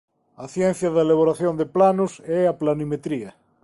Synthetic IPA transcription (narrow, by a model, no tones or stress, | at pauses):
ɐθjɛ̃n̟θjɐðaelaβoɾaθjond̪eplanʊsɛaplanimet̪ɾiɐ